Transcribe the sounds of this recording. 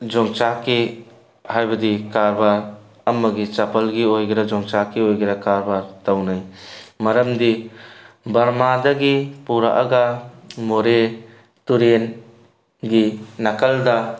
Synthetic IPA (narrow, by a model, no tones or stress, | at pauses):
d͡ʒɔŋt͡ʃaki | hajbɐdikaɾbaɾ | ɐmːɐɡit͡ʃapʰɐlɡiojɡɐɾɐd͡ʒɔŋt͡ʃakiojɡɐɾakaɾbaɾtawnajmɐɾɐmdi | bɐɾmadɐɡipuɾa̰ʔɐ̰ɡɐmoɾe | tuɾen | ɡinɐkɐldɐ